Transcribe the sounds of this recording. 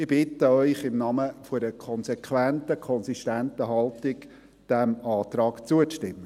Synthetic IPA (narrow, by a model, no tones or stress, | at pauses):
ɪb̥ɪt̪əœʏχɪmnɑməfʊɾəkʰɔnsɛkʰʋæntəkʰɔnsiʃtænt̪əɦɑlt̪ɪk | d̥æmɑːt̪ɾɑːkt͡suətɪmːə